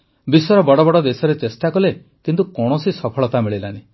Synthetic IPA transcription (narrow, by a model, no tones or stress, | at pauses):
bisɔɾɔbɔɽɔbɔɽɔd̪esɔɾet͡ʃesʈakɔle | kint̪ukɔɽ̃ɔsisɔpʰɔɭɔt̪amiɭilani